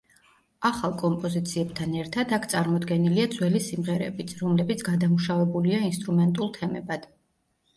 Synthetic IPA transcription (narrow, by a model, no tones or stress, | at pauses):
aχalˠkʼɔmpʼɔzit̪sʰiɛb̚t̪ʰanɛɾt̪ʰad̪akʰt̪sʼaɾmɔd̪ɡɛniliad̪zwɛlisimʁɛɾɛ̰bit̪sʰɾɔmlɛbit̪sʰɡad̪amuʃavɛbuliainst̪ʼɾumɛnt̪ʼulˠt̪ʰɛmɛ̰bad̪̥